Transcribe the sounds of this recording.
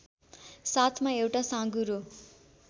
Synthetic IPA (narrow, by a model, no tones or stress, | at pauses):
sat̪ʰmaewʈasãɡuɾo